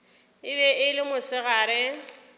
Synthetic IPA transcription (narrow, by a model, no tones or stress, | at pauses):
ɪbɛɪlɪmʊsɪɣaːɾɪ